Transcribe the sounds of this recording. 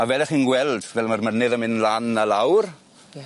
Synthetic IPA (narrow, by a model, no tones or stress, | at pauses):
avɛlˠɛχiːnɡwɛlˠdvɛlˠmarmənɪðəmɪnlanəlawr